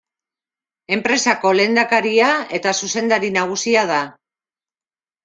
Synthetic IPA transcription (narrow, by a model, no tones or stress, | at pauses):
e̞mpɾe̞sako̞le̞ːnd̪akaɾiae̞t̪asuse̞nd̪aɾinaɣ̞usiað̞a